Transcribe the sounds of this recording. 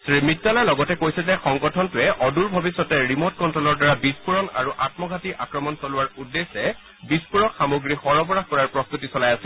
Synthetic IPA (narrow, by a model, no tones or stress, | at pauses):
sɹimitːalajlɔɡɔtɛkojsɛzɛxɔŋɡɔtʰɔntʊɛʔɔduɹbʱɔbisːɔtɛɹimɔt̚kɔntɹɔlɔɹdaɹabispuɹɔna̰ɹuʔatmɔɡʱatiʔa̰kɹɔmɔnsɔlʊwaɹudːesɛ | bispuɹɔkxamoɡɹixɔɹɔbɔɹaxkɔɹaɹpɹɔst̪utisɔlajasi